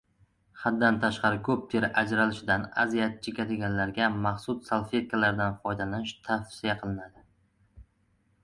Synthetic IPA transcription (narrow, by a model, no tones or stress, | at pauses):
χad̪ːant̪ʰaʃqɑɾɪkʰɵp̚t̪ʰeɾʔad͡ʒɾalɪʃɪd̪ana̰zijat̪̚t͡ʃʰːɪkʰʲat̪eɡʲanlaɾɡʲamaχsʊssalˠfet̪̚kʰalaɾd̪anfɒjd̪alanɪʃt̪ʰafsijaqʰɨlˠɪnad̪ɪ